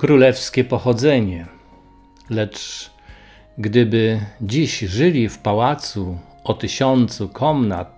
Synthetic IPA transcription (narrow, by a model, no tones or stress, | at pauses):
kɾulɛfskʲɛpɔxɔd̪zɛɲɛ | lɛt͡ʂ | ɡd̪ɘbɘd͡ʑiɕʐɘlʲifpawat̪su | ɔt̪ɪɕɔnt̪sukʰɔmna̰t̪̚